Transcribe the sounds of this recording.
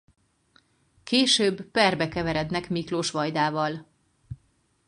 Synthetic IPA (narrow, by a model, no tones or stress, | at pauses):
keːʃøːbːpɛrbɛkɛvɛɾɛd̪nɛkmikloʃʋɒjd̪aːvɒl